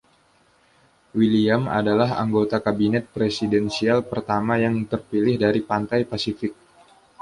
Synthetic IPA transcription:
wiliama̰dalaɦa̰ŋɡot̪akabinɛt̪̚pɾesidɛnsialpərt̪amajaŋt̪ərpilɪhdaɾipant̪ajpasifɪk̚

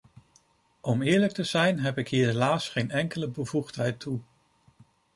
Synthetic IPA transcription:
ɔmɪːɹlək̚təz̥ɛjnɦɛpɪkɦiːɹɦelaːsχejnɛŋkələbəvuχtɦɛjtʰːu

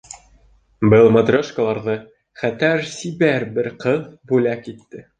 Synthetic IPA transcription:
bɤlˠmɐd̪rʲoʃkə̆lˠɑɾʁɤ | χæt̪æɾsibæɾbɘɾqɤðbʉlækit̪ːɘ

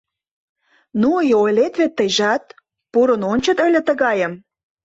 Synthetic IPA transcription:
nuəjojlet̪βet̪ːəjʒɑt̪̚ | puɾənonʲt͡ɕə̆t̪ølʲĕt̪ə̆ɣɑjəm

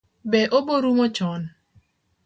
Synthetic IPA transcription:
bɛʔoboɾumɔt͡ʃɔn

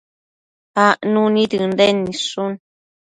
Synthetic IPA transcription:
aʔnũnitɨndɛnːiʂun

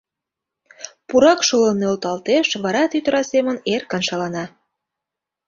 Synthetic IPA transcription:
puɾɑkʃolənːeolt̪ɑlt̪eʃβɑɾɑt̪yt̪əɾɑsemənerkɑnʃɑlɑnɑ

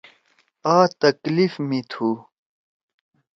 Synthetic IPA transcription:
aːt̪ɐklifmit̪ʰu

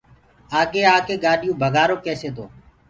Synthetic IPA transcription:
aːkeːaːkeːɠaːɗɪjũːbʱəɡʱaːɾoːkeːseːt̪o̰ː

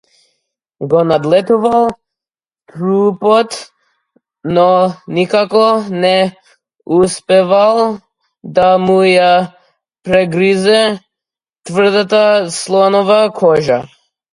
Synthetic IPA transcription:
ɡɔnad̪lɛt̪uvalˠ | t̪ɾupɔt̪ | nɔnikakɔnɛ | uspɛvalˠ | d̪amuja | pɾɛɡɾizɛ | t̪vər̩d̪at̪aslˠɔnɔvakʰɔʒa

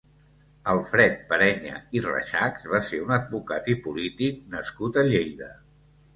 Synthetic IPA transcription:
əlˠfɾɛt̪̚pəɾɛɲə̰irə̰ʃakzβaseunəd̪̚βukat̪ipulit̪ik̚nəskut̪əʎejðə

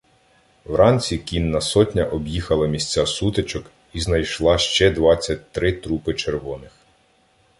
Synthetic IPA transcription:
wɾɑnʲt͡sʲikʲinːɐsɔtʲnʲɐʔɔbjixɐlˠɪmʲisʲt͡sʲasut̪et͡ʃɔk | iznɐjʃlˠɑʃt͡ʃɛd̪ʋɑt͡sʲːɐt̚ʲt̪ɾɪt̪ɾupɪt͡ʃerʋɔnɪx

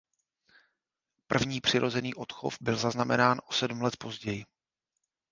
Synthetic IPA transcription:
pr̩vɲiːpr̥ɪɾʔo̞zɛniːʔo̞t̪xo̞̰fbɪlzaznamɛ̰naːnʔo̞sɛdum̩lɛt̪po̞zɟɛjɪ

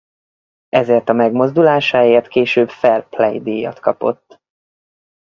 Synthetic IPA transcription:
ɛzeːrt̪ɒmɛɡmo̞zd̪ulaːʃaːjeːrt̪keːʃøːbfɛlplɛjd̪iːjɒ̰t̪kɒpo̞̰t̪ː

